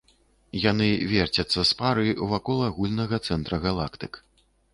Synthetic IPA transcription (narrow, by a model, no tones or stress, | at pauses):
jan̪ɨvʲɛrt͡sʲɐt̪sːɐspaɾɨwvakɔlˠaɣulʲnɐɣɐt̪sɛnt̪ɾɐɣalˠakt̪ɨk